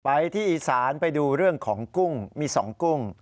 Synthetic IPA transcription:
pa˨˦jt̪ʰiː˥˩ʔiː˧saː˩˦npa˧jduː˧ɾɯ˥˩əŋkʰɔː˩˦ŋku˥˩ŋmiː˧sɔː˩˦ŋku˥˩ŋ

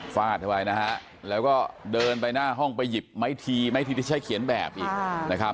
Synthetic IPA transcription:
faː˧˩t̪̚ʰːa˧waː˧˩jna˦˥ha˦˥ʔ | lɛː˦˥wkɔː˥˩dɤː˧npa˧jnaː˥˩ɦɔ˥˩ŋpa˧jːi˨˩p̚ma˦˥˩jt̪ʰiː˧ma˥˩jt̪iː˧t̪ʰi˥˩t͡ɕa˦˥jkʰi˨˩˦ənbɛ̰ː˨˩p̚ʔiː˨˩k̚na˦˥kʰɾa˦˥

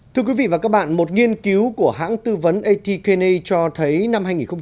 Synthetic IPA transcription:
t̪ʰɨ˧əkwi˨˦vḭ˧˨va˨˩kaː˦˥k̚ɓa̰ː˧˨nmo˨˩t̚ŋi˧ənki˨˦wku˧˩əɦa̰ː˧˥ŋt̪ɨ˧və˨˦nʔə˧t̪i˧ke˧ne˧t͡ɕɔ˧t̪ʰə˨˦jna˧mhaː˧jŋi˨˩xə˧ŋ͡m

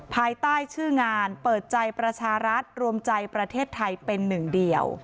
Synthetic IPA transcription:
pʰaː˧jt̪aː˥˩jt͡ɕʰɯː˥˩ŋaː˧npɤː˨˩t̪̚t͡ɕa˧jpɾa˧t͡ɕʰaː˧ɾa˦˥t̪̚ɾu˧əmt͡ɕa˧jpɾa˧t̪ʰeː˥˩t̪ʰːa˧jpe˧nːɯ˨˩ŋdi˨˩əw

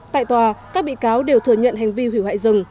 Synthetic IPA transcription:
t̪a̰ː˧˨jt̪waː˨˩kaː˦˥k̚ɓḭ˧˨kaː˨˦wɗe˨˩wt̪ɨ˨˧˩əɲə̰˧˨nɦa˨˩jŋ̟vi˧hwi˧˩wha̰ː˧˨zɨ˨˩ŋ

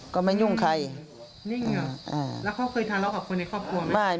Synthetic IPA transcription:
kɔ˧˩ma˧˥˨nju˧˥˩ŋkʰa˧˩j | ni˧˥˩ŋa˧˩ʔaː˧˩lɛː˦˥wkʰa˧˥˩wkʰɤː˧˨jt̪ʰaː˧˩la˧˩ka˨˩p̚ʰo˧nːa˧˩kʰɔː˥˩p̚kʰu˧ɐm˧˦aː˧˩

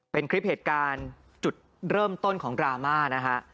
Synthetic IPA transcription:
pe˧nkʰɾi˦˥p̚heː˨˩t̪̚kaː˧n | t͡ɕu˨˩t̪̚ | ɾɤː˥˩mt̪o˥˩nkʰɔː˩˦ŋɾaː˧maː˥˩na˦˥kʰa˦˥ʔ

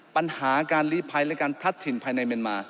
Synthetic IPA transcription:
pa˧nhaː˩˦kaː˧nliː˦˥˩pʰa˧jlɛ˦˥kaː˧npʰɾa˦˥t̪ʰːi˨˩˦npʰaː˧jna˧jmi˧ənmaː˧

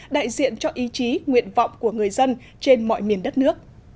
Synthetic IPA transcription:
ɗa̰ː˧˨jzḭ˧˨ənt͡ɕɔ˧ʔi˨˦t͡ɕi˨˦ŋwḭ˧˨ənva̰˧˨wŋ͡mku˧˩əŋɨ˨˩əjzə˧n | t͡ɕe˧nmɔ̰˧˨jmi˨˩ənɗə˦˥t̚nɨ˦˥ək̚

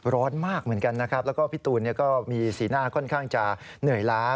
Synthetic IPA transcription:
ɾɔː˦˥nmaː˥˩k̚mɯ˩˦ənka˧nːa˦kʰɾa˦˥p̚lɛː˦˥wkɔː˥˩pʰi˦˥t̪uː˧nːi˥˩kɔː˥˩miː˧siː˩˦naː˥˩kʰɔ˥˩nkʰaː˥˩ŋt͡ɕa˨˩ | nɯ˨˩əjlaː˦˥

